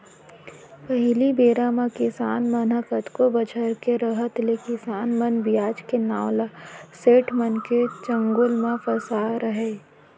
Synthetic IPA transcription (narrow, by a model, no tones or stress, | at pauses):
pəɦɪlibeːɾamãkɪsaːnmənəkət̪kobɐt͡ʃʰəɾkeɾəɦət̪lekɪsaːnmənbɪjaːd͡ʒkenaːlaseːʈʰmənket͡ʃə̃ŋɡʊlmãfɐsaːɾəɦeː